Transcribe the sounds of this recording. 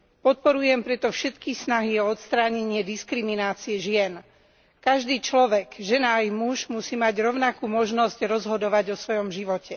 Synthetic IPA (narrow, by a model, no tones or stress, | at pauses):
pɔt̪̚pɔɾujɛmpɾɛt̪ɔfʃɛt̪kisnaɦiɔɔt̪st̪ɾaːɲɛɲɪɛd̪iskɾiminaːt͡siɛʒɪɛn | kaʒd̪iːt͡ʃlɔʋɛɡʒɛnaːjmuʒmusiːmaɟɾɔʊnakuːmɔʒnɔzcɾɔzɦɔd̪ɔʋaɟɔsʋɔjɔmʒiʋɔcɛ